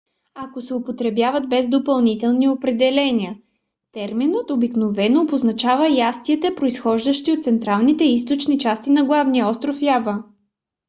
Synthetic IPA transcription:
ɐkosɛopot̪ɾɛbjavɐd̪̚bɛzd̪opɐlˠnit̪ɛlˠniopɾɛd̪ɛlɛnʲiə | t̪ɛɾminət̪obiknovɛnoboznɐt͡ʃavəjast̪iɛt̪ɛpɾoisxɔʒd̪əʃt̪iot̪t̪sɛnt̪ɾalˠnit̪ɛist̪ot͡ʃnit͡ʃast̪inɐɡlˠavnijəɔst̪ɾofjavə

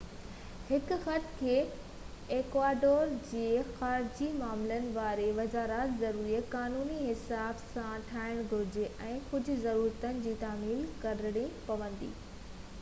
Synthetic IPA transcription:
hɪkʊ̆xɐt̪kʰeː | eːkʋaːɖoːɾd͡ʑeːxaːɾd͡ʑimaːmlənɪ̆ʋaːɾeʋɐzaːɾaːt̪zɐɾuːɾijəkaːnuːniɦɪsaːbsãʈʰaːɪɽ̃ɡʱʊɾɪd͡ʑɪʔɛ̃ːkʊd͡ʑʱʊ̆zɐɾuːɾt̪ənɪ̆d͡ʑiːt̪aːmiːlkɐɾɽ̃ĩpɐʋə̃nd̪ḭː

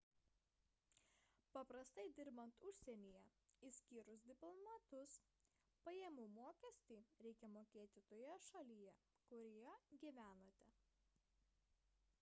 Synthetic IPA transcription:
pɐpɾɐst̪ɐɪd̪ʲɪɾbɐnt̪ʊʃʲsʲɛnʲiːjɛisʲkʲiːɾʊs̬d̪ʲɪplˠɔmɐt̪ʊs | pɐjeːmuːmoːkʲɛsʲt̪ʲiːɾʲɛɪkʲɛmoːkʲeːt̪ʲɪt̪oːjɛʃɐlʲijɛ | kʊɾʲijɛɡʲiːʋʲæːnoːt̪ʲɛ

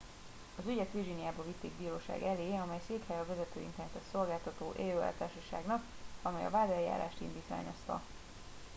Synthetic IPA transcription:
ɒzyɟɛt̪ʋirɡinijaːbɒvit̪ːeːɡ̚biːɾoːʃa̰ːɡɛleːɒmɛjseːkhɛjɒvɛzɛt̪øːḭnt̪ɛɾnɛt̪ɛt̪so̞lɡaːlt̪ɒt̪oːʔeːløːɛ̰lt̪aːrʃɒʃa̰ːɡnɒk | ɒmɛjɒ̰vaːd̪ɛlja̰ːɾa̰ːʃt̪ḭnd̪iːt̪ʋa̰ːɲo̞st̪ɒ̰

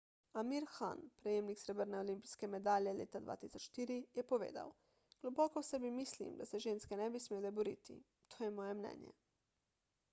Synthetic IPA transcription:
amiɾxa̰npɾɛjemniksɾɛbəɾnɛolimpiskɛmɛd̪aːljɛlḛːt̪ad̪ʋa̰ːt̪isɔt͡ʃʃt̪iːɾijɛpɔʋḛːd̪a̰w | ɡ̥lɔbɔːkɔwsɛbimiːslḭmd̪asɛʒeːnskɛnɛbismeːlɛbɔɾḭːt̪ḭ | t̪ʰoːjɛmɔːjɛmnɛ̰ːnjɛ̰

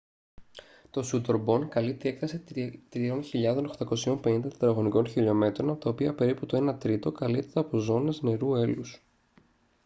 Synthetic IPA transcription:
t̪o̞sut̪o̞ɾbo̞nkɐlip̚t̪ie̞kθɐse̞t̪ɾio̞nçiʎɐðo̞noxt̪ɐko̞sio̞mpe̞nind̪ɐt̪d̪ɾɐɣo̞niko̞nçiʎo̞me̞t̪ɾo̞nɐpo̞t̪ɐopiɐpe̞ɾiput̪o̞e̞nɐt̪ɾit̪o̞kɐlipt̪et̪ɐɐpo̞zo̞ne̞zne̞ɾue̞lus

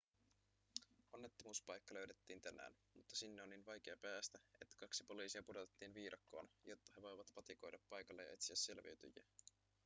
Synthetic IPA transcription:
onːe̞t̪ːomuːspɑjkːɑlø̞ɥde̞t̪ːiːnt̪ænːæ̰ːn | mut̪ːɑsinːeo̞nːinʋɑjk̟e̞ɑpæːst̪æe̞t̪ːæ̥kɑksi̥po̞liːsiɑpudot̪et̪ːiːnʋiːɾɑkːo̞ːnjo̞t̪ːɑ̥he̞ʋo̞jʋɑt̪pɑt̪iko̞jdɑpːɑjkɑlːejɑ̰e̞t̪siæsːe̞lʋḭɥt̪y̰jæ̰

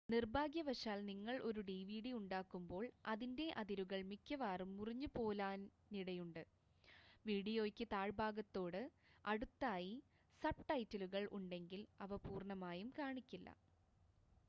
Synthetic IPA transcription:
nirbʱaːɡjɐʋɐʂaːlniŋːɐɭʔo̞ɾuɖiːʋiːɽiuɳɖaːkːumbo̞ːɭɐðinde̞ʔɐðiɾuɣɐɭmikʲːɐʋaːrumːuriɲːupo̞ːlaːnː | iɽɐjuɳɖɨ | ʋiːɽijo̞ːkʲːɨt̪aːɻbaːɡɐt̪ːo̞ːɽɨ | ɐɽut̪ːaːji | sɐp̚ʈɐjtːɐluɣɐɭʔuɳɖe̞ŋɡilɐʋɐpuːrɳɐmaːjumkaːɳikʲːilːɐ̰

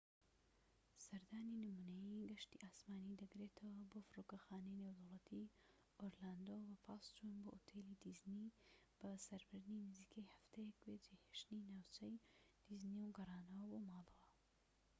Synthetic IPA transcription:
sɐɾd̪aːninɨmuːnɐjiɡɐʃt̪ḭʔaːsmaːnid̪ɐɡɾet̪ʰɐwɐboːfɾoːkɐxaːnɐjnewd̪ɐwlˠɐt̪ʰi | ʔoɾlaːnd̪owɐfaːst͡ʃunboːʔot̪ʰeːlid̪iznib̥ɐsɐɾbɨɾd̪ninɨziːkʰɐjhɐft̪ejɛkbed͡ʒeheʃt̪ninaːwt͡ʃʰɐjd̪̥izniwɡɐraːnɐwɐbomaːlˠɐwɐ

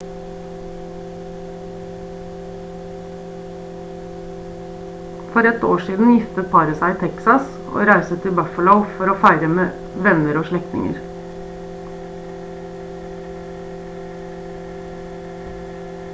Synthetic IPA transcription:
fɔɾɛt̪o̰ːʃiːd̪n̩jɪft̪ət̪̚pʰɑɾəsæɪt̪ʰɛksɑs | o̰ːɾæɪsət̪ʰːɪbœfəlɔʊfɔɾoːfæɪɾəmeː | ʋɛnəɾoːʃɭɛkt̪nɪ̰ŋə̰ɾ

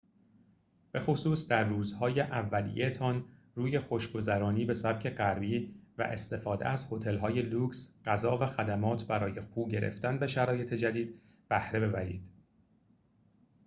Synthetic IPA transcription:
b̥e̞xosuːsd̪æɾːuːzhɒːje̞ʔævːælḭjet̪ʰɒn | ruːje̞xo̞ʃɡo̞zæɾɒːniːbe̞sæb̥̚cʰe̞ɢæɾbiːvæ̰ʔe̞st̪e̞fɒːd̪ḛæzho̞t̪ʰe̞lɦɒːje̞luːksɢæzɒːvæxæd̪æmɒːt̪ʰbæɾɒːje̞xuːɟe̞ɾʔḛft̪ænbe̞ʃæɾɒːje̞t̪ʰe̞d͡ʒæd̪iːd̪̥̚ | b̥æhɾe̞be̞bæɾḭːd̪̥

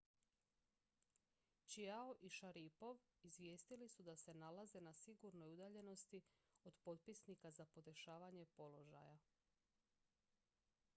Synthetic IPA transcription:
t͡ʃiaoʔiʃaɾipo̞ʋ | izʋje̞ːst̪ilisud̪ase̞nalaze̞nasiɡuɾno̞jud̪aːʎe̞no̞st̪i | o̞d̪po̞t̪pisnikazapo̞d̪e̞ʃaːʋaɲe̞po̞lo̞ʒa̰ja

